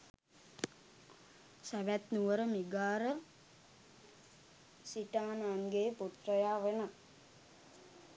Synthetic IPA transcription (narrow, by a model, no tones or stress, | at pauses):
sæʋæt̪nuʋəɾəmiɡaːɾə | siʈaːnaːŋɡeːpuʈ̪rəjaːʋenə